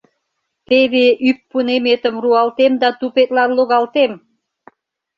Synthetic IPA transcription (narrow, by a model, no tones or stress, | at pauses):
t̪eβeʔypːunemet̪ə̆mruɑlt̪emd̪ɑt̪upet̪̚lɑnloɣɑlt̪em